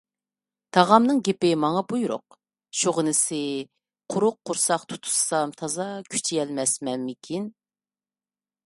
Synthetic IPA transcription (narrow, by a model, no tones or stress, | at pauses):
t̪ʰɑʁɑmnɨŋɡʲepɪmɑŋɑbujɾʊ̰q̚ | ʃuʁənɪsɪ | qʰʊɾʊqʰːʊɾsɑχqt̪ʰu̥t̪ʰu̥sːɑmt̪ʰɑzɑkʲʰy̥t͡ʃʰijɛlmɛsmɛnmɪkʲʰin